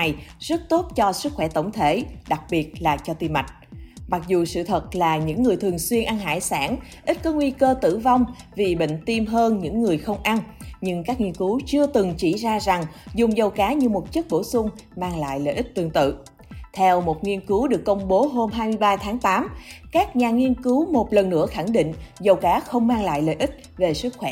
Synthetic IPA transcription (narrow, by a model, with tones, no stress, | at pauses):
jz̥ə˦˥t̚t̪o˦˥t̚t͡ɕɔ˧sɨ˦˥k̚xwɛ˧˩t̪ə˧˩wŋ͡mt̪ʰe˧˩ɗa˨˩k̚ɓi˨˩ət̚laː˨˩t͡ɕɔ˧t̪i˧mːa˨˩jt̟̚ma˨˩k̚zu˨˩sɨ̰˧˨t̪ʰə˨˩t̚laː˨˩ɲɨ̰˧˥ŋːɨ˨˩əjt̪ʰɨ˨˩əŋswi˧ənʔa˧nɦa̰ː˧˥˩jsa̰ː˧˥n | ʔi˦˥t̚kɔ˨˦ŋwi˧kəː˧t̪ɨ̰˧˩˨va˧wŋ͡mvi˨˩ɓḭ˧˨ŋ̟t̪i˧mɦəː˧nɲɨ̰˧˥ŋːɨ˨˩əjxə˧wŋ͡mʔa˧nɲɨ˧ŋkaː˦˥k̚ŋi˧ənkɨ˨˦wt͡ɕɨ˧ət̪ɨ˨˩ŋt͡ɕi˧˩zaː˧za˨˩ŋzʊ˨˩ŋ͡mzə˨˩wkaː˨˦ɲɨ˧mo˨˩t̚t͡ɕɨ˦˥k̚ɓo˧˩sʊ˧ŋ͡m | maː˧ŋla̰ː˧˨jlə̰ː˧˨ʔi˦˥t̚t̪ɨ˨˩əŋt̪ɨ̰˧˨ | t̪ʰɛ˧wmo˨˩t̚ŋi˧ənkɨ˨˦wɗɨ˨˩əkːə˧wŋ͡mɓo˨˦ɦo˧mɦaː˧jmɨ˧jɓaː˧t̪ʰaː˨˦ŋt̪aː˨˦mkaː˦˥k̚ɲaː˨˩ŋi˧ənkɨ˨˦wmo˨˩t̚lə˨˩nːɨ̰˧˥əxa˧˩ŋɗḭ̈˧˨ŋ̟zə˨˩wkaː˨˦xə˧wŋ͡mmaː˧ŋla̰ː˧˨jlə̰˧˨jʔi˦˥t̚ve˨˩sɨ˦˥t̚xwɛ˧˦